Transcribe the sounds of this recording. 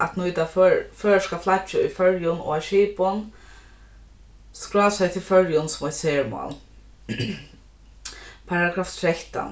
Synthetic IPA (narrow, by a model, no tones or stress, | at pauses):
ʔa̰t̪nujt̪afœfœːɹʂkaflat͡ʃɪʊjfœɹjʊnɔ̰aʃiːpʊn | skɹɔːsajt̪ʰɪlfœɹjʊnsʊmɛt̪seːɹma̰ːl | pʰaːɹaɡaːft̪ʰɾɛht̪a̰n